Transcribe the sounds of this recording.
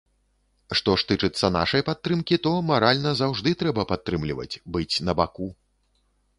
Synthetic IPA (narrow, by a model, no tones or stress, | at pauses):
ʂt̪ɔʂt̪ɨt͡ʂɨt̪sːɐna̰ʂɐjpat̪ːɾɨmkʲit̪ɔmaɾalʲnɐzawʐd̪ɨt̪ɾɛbɐpat̪ːɾɨmlʲivɐ̰t͡sʲbɨt͡sʲnɐbaku